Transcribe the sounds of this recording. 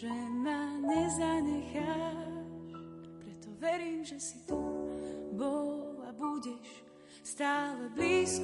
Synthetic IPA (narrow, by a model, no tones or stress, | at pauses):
ʒɛmaɲɛzaɲɛxa | ʃpɾɛt̪ɔʋɛɾiːmʒɛsi̥t̪u | bɔlabuɟɛʃ | st̪aːlɛbliːsk